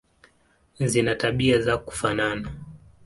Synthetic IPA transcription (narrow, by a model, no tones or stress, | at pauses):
zinataɓiazaku̥fanana